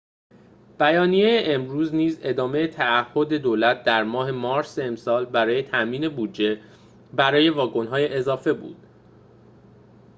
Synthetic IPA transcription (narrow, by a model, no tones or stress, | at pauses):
b̥æjɒːnije̞jeʔemɾuːzniːze̞d̪ɒːme̞jet̪ʰæːhːo̞d̪e̞d̪oːlæt̪̚d̪æɾmɒːɦe̞mɒːɾseemsɒːlbæɾɒːje̞t̪ʰæʔmiːne̞buːdd͡ʒe̞ | bæɾɒːje̞vɒːɡo̞nɦɒːje̞ʔezɒːfe̞bṵːd̪̥